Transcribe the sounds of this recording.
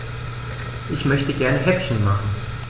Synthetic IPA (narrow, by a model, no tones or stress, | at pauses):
ʔɪçmœçtəɡɛɐnəɦɛpçn̩maχn̩